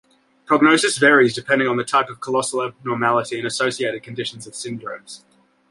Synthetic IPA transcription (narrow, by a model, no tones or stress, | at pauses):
pʰɹ̥əɡ̚nəʊsɨsvɛːɹizdɪpʰɛ̃ndɪ̃ŋə̃nðətʰɑɪpəv̥kʰəlɒsl̩ˠənɔːmælˠəɾiɨ̃nəsəʊsieɪɾɨd̚kʰə̃ndɪʃə̃n̩zəv̥sɪ̃ndɹə̰̃mz̥